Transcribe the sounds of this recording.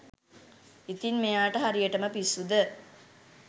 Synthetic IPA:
it̪inmejaːʈəɦaɾijəʈəməpisːud̪ə

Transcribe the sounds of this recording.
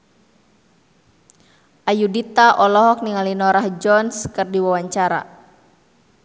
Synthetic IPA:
ʔajudit̪aʔɔlɔɦɔk̚niŋalinɔɾahd͡ʒɔnskɨrdiwawaɲt͡ʃaɾa̰

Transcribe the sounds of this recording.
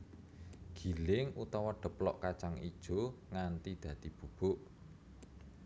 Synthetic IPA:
ɡ̥i̤lɪŋut̪ɔwɔɖ̪̥ə̤plɔ̰ʔkat͡ʃaŋid̥ʒ̥o̤ŋant̪id̪̥ä̤d̪ib̥ṳb̥ʊʔ

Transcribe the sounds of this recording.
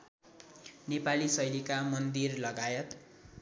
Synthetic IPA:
nepalisʌjlikamʌnd̪irlʌɡajʌt̪

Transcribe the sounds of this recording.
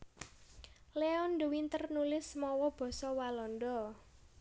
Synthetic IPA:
leɔnd̪uwint̪ərnulɪsmɔwɔb̥ɔ̤sɔwalɔnd̪ɔ

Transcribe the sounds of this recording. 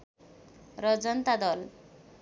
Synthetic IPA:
ɾɔd͡zɔnt̪ad̪ɔl

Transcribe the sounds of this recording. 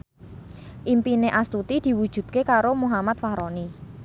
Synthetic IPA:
ʔimpineʔast̪ut̪id̪̥i̤wud̥ʒ̥ṳt̪̚kekaɾomuɦamat̪̚fahɾɔni

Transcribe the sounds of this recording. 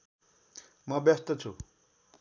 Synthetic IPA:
mʌbʌst̪ʌt͡sʰu

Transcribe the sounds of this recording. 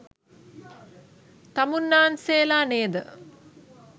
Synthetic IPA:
t̪amunːaːnseːlaːneːd̪ə

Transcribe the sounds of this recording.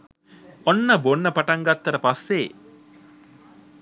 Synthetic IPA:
onːɐbonːɐpɐʈɐŋɡɐt̪ːɐɾɐpɐsːe

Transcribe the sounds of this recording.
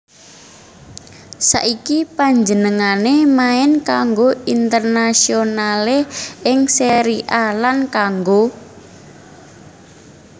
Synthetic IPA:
sa̰ʔikipaɲd͡ʒənəŋanemaɪnkaŋɡoint̪ərnasionaleɪŋseɾiʔalankaŋɡo

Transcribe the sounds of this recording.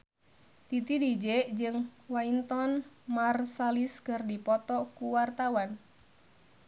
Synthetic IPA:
t̪it̪idid͡ʒeʔd͡ʒɨŋwaint̪ɔnmarsaliskɨrdipɔt̪ɔkuwart̪awan

